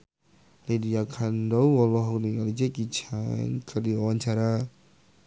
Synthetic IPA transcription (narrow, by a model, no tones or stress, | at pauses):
lediakʰandɔwɔlɔɦɔkniŋalid͡ʒɛkit͡ʃʰa̰ŋkʰərdiwawaɲt͡ʃaɾa